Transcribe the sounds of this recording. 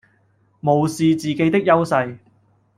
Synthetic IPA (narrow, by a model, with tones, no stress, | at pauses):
mo˨wsiː˨˧t͡siː˨ke˧˥jt̪ɪ˥k̚jɐ˥wsɐ˧j